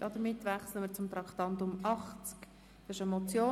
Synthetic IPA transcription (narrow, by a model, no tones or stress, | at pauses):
ɑd̪əmɪt̪ːvɛχslənmɪːɾt͡sʊmt̪ɾɑkχtɑntʊmʔɑχt͡sk | ɪʃəmɔt͡sjoː